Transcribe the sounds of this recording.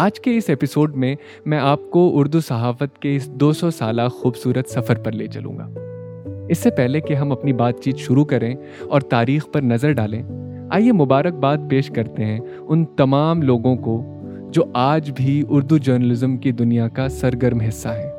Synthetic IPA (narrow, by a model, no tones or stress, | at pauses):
aːd͡ʒkeɪsɛpɪsoːɖmẽ | mɛ̃ːaːp̚koʊɾd̪usɐɦaːfət̪keɪsd̪oːsɔsaːlaxuːbsuːɾət̪sɐfəɾpɐɾleːt͡ʃɐlṵ̃ːŋɡa̰ː | ɪsːepɛɦlekeɦɐmɐpnibaːt̪̚t͡ʃiːt̪ʃʊɾukɐɾẽ | ɔːɾt̪aːɾiːxpɐɾnɐzəɾɖaːlẽː | a̰ːjemʊbaːɾək̚baːt̪̚peːʃkɐɾt̪eɦɛ̃ | ʊnt̪ɐmaːmloːɡõko | d͡ʒoːʔaːd͡ʒbʱiʊɾd̪ud͡ʒəːɾnəlɪzəmkid̪ʊnijakasɐɾɡəɾmɦɪsːaɦɛː